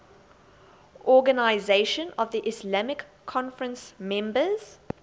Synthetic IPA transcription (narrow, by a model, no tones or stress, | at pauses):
ʔɔɡənaɪzeʃə̃nɔvðiʔɪslamɪkʰːɔ̃nfəɹə̃nsmɛ̃mbəz̥